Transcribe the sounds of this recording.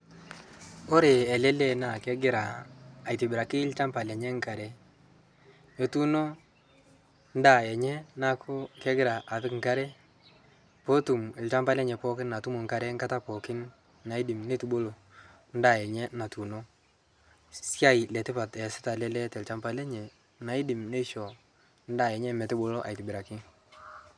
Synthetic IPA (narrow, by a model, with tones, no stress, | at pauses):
o˦ɾe˨ɛ˨lɛ˦le˦na˨kɛ˦ɡɪ˦ɾaː˨jtɪ˨bɪ˨ɾa˨kɪ˦lt͡ʃa˦mpa˨lɛ˨ɲɛ˦ŋka˨ɾɛ˦ | jo˨tu˦no˦ | n˦da˦˨ɛ˨ɲɛ˦na˨kʰʊ˦kɛ˦ɡɪ˦ɾa˨ʔa˨tɪ˦kŋ̩˦ka˦ɾɛ˦ | po˦tu˨mɛ˨lt͡ʃa˦mpa˦lɛ˦ɲɛ˨pɔ˦kɪ˦nna˨tu˦mu˨ŋ˦ka˨ɾɛ˦ŋka˦ta˦pɔ˨kɪ˦n | na˨ɪ˦dɪ˨mne˦tu˨ɓo˦lo˨ | n˦da˨ɛ˨ɲɛ˦na˨tu˨no˦ | sja˦i˨lɛ˨tɪ˦pa˨tɛ˨sɪ̥˦ta˨lɛ˦lɛ˦tɛ˨lt͡ʃa˦mpa˦lɛ˦ɲɛ˨ | na˨ɪ˦dɪ˨mne˦ʃɔ˨ | n˦da˨ɛ˨ɲɛ˦mɛ˨tɪ˦ɓo˦lo˦ʔa̰˨jtɪ˨bɪ˨ɾa˨kɪ˦ŋ